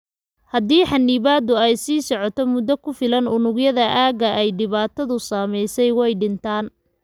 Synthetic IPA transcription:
hɐd̪iːħɑnːiβaːd̪ʊɛjsiːsɔʕɔt̪ʰɔmʊd̪ɔkʰʊfɪlɐnʊnʊɡjɐðɐʔaːɣɐʔɛjɖɪβaːt̪ʰɐðʊsaːmɛjsɛjwɛjɖɪnt̪ʰaːn

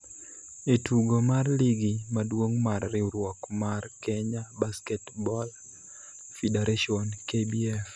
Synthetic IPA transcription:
etuɡomarliɡimadwoŋmarːɪuɾwɔkmarkɛɲabaskɛtbɔl | fideɾaʃiɔnkebiɛf

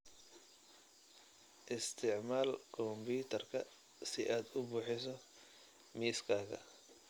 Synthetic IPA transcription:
ʔɪst̪ʰɪʕmaːlkʰɔmbuːt̪ʰɐrkʰɐ | sɪʔaːd̪ʊbuːħɪs̬ɔ | miːskʰaːɣɐ̰

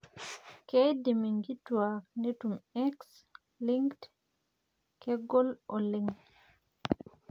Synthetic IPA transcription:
kɛjdɛmiŋɡitːuwandetumɛks | liŋkt | kɛɡɔlɔlɛŋ

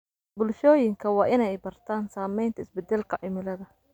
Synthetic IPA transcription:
bʊlʃɔːjɪŋkʰɐwɑːʔɪnɛjbɐrt̪ʰaːnsaːmɛjnt̪ʰɐɪsbɛd̪ɛlkʰɐʕɪmɪlɐðɐ

